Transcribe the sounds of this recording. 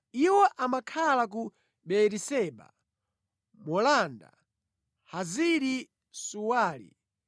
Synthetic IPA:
iwɔʔamakʰalak̬u | ɓɛɾisɛɓa̰ | mɔlanda̰ | haziɾi | suwaːlḭ

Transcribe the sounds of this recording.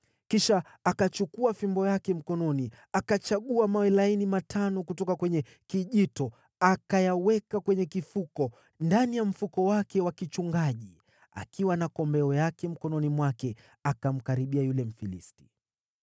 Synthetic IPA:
kiʃaː | kat͡ʃukuafimbɔjakɛm̩kɔnɔni | akat͡ʃaɠuamawɛlainimatʰanɔkutɔkakwɛɲɛ | kiʄitɔ | akajawɛkakwɛɲɛkifukɔ | ndanijam̩fukɔwakɛwakit͡ʃuŋɡaʄi | a̰kʰiwanakɔmbɛɔjakɛm̩kɔnɔnimwakɛ | akam̩kaɾiɓiajulɛm̩filḭsti̥

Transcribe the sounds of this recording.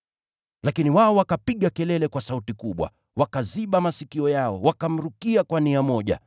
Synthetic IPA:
lakiniwaɔwakapiɠakɛlɛlɛkwasautikuɓwa̰ | wakaziɓamasikiɔjaɔwakam̩ɾukiakwaniamɔʄa̰

